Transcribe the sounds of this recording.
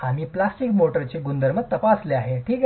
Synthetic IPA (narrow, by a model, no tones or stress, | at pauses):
amiːplasʈikmoʈəɾt͡ɕeɡund̪əɾmət̪əpasleaɦeʈʰiːk